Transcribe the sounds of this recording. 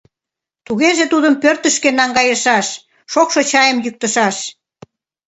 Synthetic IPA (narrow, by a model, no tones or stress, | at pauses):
t̪uɣeʒet̪ud̪əmpørt̪əʃkenɑŋɡɑjəʃɑʃ | ʃokʃot͡ɕɑjəmjyk̚t̪əʃɑʃ